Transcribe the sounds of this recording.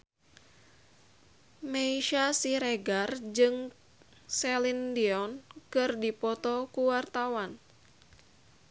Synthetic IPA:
meiʃasiɾɛɡard͡ʒɨŋ | sɛlindiɔnkɨrdipɔt̪ɔkuwart̪awan

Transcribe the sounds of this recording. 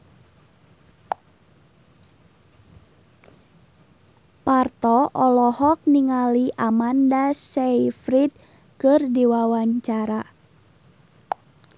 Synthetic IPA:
part̪ɔʔɔlɔhɔk̚niŋaliʔamandasejfɾit̪̚ | kɨrdiwawaɲt͡ʃaɾa

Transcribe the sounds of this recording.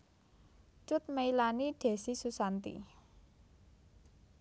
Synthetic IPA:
t͡ʃʊt̪̚mailaniɖ̪̥e̤sisusant̪ḭ

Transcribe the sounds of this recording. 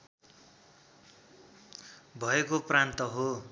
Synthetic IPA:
bʱʌekoprant̪ʌɦo

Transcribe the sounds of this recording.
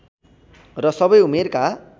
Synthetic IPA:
rʌsʌbʌjumerka

